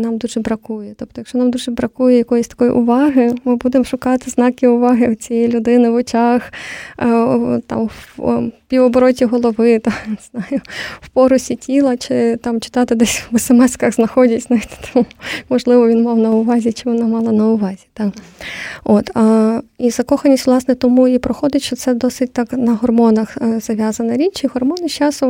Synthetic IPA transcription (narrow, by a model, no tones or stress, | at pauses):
nɑmd̪uʒɛbɾɐkujɛt̪ɔp̚t̪ɔjɐkʃt͡ʃɔnɑmd̪uʒɛbɾɐkujɛjɐkɔjɔsʲt̪ɐ̥kɔjḭʔʊʋɑɦɪmɪbud̪emʃʊkɑt̪ɪznɑkʲɪʊʋɑɦɪwt͡sʲijɛjlʲʊd̪ɪnɪʋɔt͡ʃɑx | t̪ɑ̰mwpʲiʋɔbɔɾɔtʲiɦɔlˠɔʋɪt̪ɑnɪz̥nɑjʊwpɔɾʊsʲitʲilˠɐt͡ʃɪt̪ɑmt͡ʃɪ̥t̪ɑt̪ɪd̪ɛsʲwbɛsɛmɛskɐɣznɐxɔdʲɐtʲznɐt̪ɛ̥t̪ɑmmɔʒlˠɪʋɔʋʲinmɑwnɐʊʋɑzʲit͡ʃɪʋɔnɑmɑlˠɐnɐʊʋɑzʲit̪ɑ | ot̪ɐizɐkɔxɐnʲisʲt̪ʲʋlˠɑsnɛt̪ɔmuipɾɔxɔd̪ʲɐtʲʃɔt̪sɛd̪ɔsɪt̚ʲt̪ɑknɐɦɔrmɔnɐxz̥ɐʋʲjazɐnɐɾʲit͡ʃiɦɔrmɔnɪʃt͡ʃɑsʊ